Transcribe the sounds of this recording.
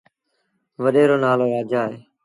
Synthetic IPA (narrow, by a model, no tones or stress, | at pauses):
ʋəɗeːɾoːnaːloːɾaːd͡ʒaːɦeː